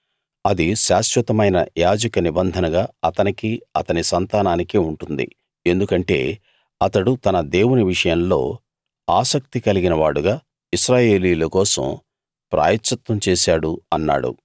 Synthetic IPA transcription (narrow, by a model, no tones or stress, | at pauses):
ɐd̪iʃaːʃʋɐt̪ɐmɐjnɐ̰jaːd͡ʒɐkɐnibɐnd̪ʱɐnɐɡaːɐt̪ɐnikiɐt̪ɐnisɐnt̪aːnaːnikiuɳʈund̪ḭ | e̞nd̪ukɐɳʈe̞̰ː | ɐt̪ɐɽut̪ɐnɐd̪e̞ːwuniʋiʂɐjɐmlo̞̰ː | aːsɐk̚t̪ikɐliɡinɐʋaːɽuɡaː | iʃɾaːje̞ːliːulɐkɔːsɐ̰m | pɾʔa̰ːjɐtːɐt̪wɐmt͡ʃeːsaːɽuɐnːa̰ːɽṵ